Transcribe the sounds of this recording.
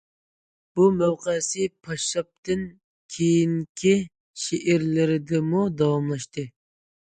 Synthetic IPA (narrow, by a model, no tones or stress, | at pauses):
b̥umæwqəsɪpʰɑʃɑp̚t̪ɨn | kʲʰejiŋkʲʰi | ʃeʔɪɾlɪɾɪd̪ɪmud̪ɑwɑmlˠɑʃt̪ɨ